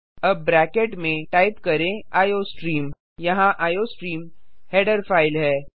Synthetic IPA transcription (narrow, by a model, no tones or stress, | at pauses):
ɐbːɾɛːkeʈmẽʈaːɪpkɐɾẽaːjoːsʈɾiːm | jɐɦãʔaːjoːsʈɾiːmhɛːɖəɾfaːɪlɦɛː